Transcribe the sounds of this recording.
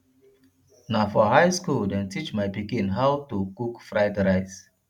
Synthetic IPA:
nafɔɦajskuldɛ̃ntit͡ʃmajpikĩnɦawtukukfɹaɪdɾaɪs

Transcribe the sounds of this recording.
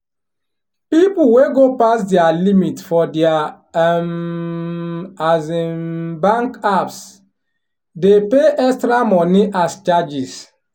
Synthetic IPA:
pipuweɡopasdɛalimitfɔdɛa | azebãŋkaps | depeʔɛkstɾamɔniʔast͡ʃad͡ʒis

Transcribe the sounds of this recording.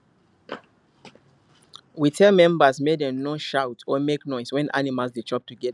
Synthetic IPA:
witʰɛlmɛ̃mbazmedɛ̃nõʃawtʰɔmeknɔɪswɛ̃nʔa̰nimalzdet͡ʃɔp̚tuɡɛ

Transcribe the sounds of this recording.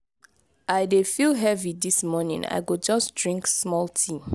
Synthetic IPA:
aɪdefilɦɛvidismɔnḭ̃ŋa̰ɪɡod͡ʒʌsdɹĩŋksmɔltʰĩm

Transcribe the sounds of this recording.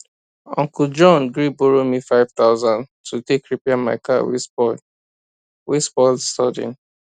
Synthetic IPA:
ɔ̃ŋkud͡ʒɔ̃nɡɾiboɹomifaɪv̥t̪aʊzãn | tʰutekɹipɛama̰ɪkawḭsbɔl | wesbɔlstɔdḭ̃n

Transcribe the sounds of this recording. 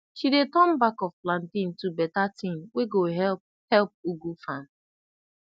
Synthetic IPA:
ʃidetɔ̃mbakɔfplãntĩntubɛtatĩnweɡoɦɛ | hɛlp̚uɡufãn

